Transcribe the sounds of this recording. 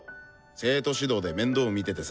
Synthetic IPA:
se̞ːt̪o̞ɕid̪o̞ːd̪e̞mẽ̞nd̪o̞ːmʲit̪e̞t̪e̞s

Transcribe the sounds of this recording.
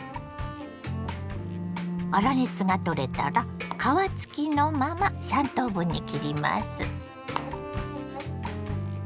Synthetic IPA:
βaɾanet͡sɨɡat̪o̞ɾe̞t̪a̰ɾakaβat͡sɨ̥kʲino̞mamasãnt̪o̞ːbɯ̟̃ɲ̟ːikʲiɾʲima̰sɨ

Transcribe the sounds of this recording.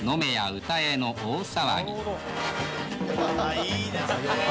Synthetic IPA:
no̞me̞jaɯ̟t̪ae̞no̞ʔoːsaβa̰ɡʲḭ

